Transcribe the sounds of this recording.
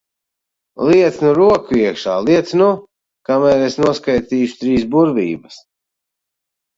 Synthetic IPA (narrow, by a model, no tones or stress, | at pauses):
liɛt̪snuɾuɔkuiɛkʃaːlˠiɛt̪snu | kamɛːɾesnuɔskajt̪iːʃu̥t̪ɾiːsbuɾvḭːbɐs